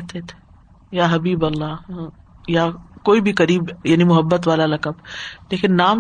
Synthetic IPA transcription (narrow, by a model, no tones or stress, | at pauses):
ɦt̪et̪ʰe̥ | jaːɦɐbiːbɐlːaː | jaːkoːibʱikɐɾiːbjaːnimʊɦəbːət̪ʋaːlalɐkɐbleːkɪnːaːm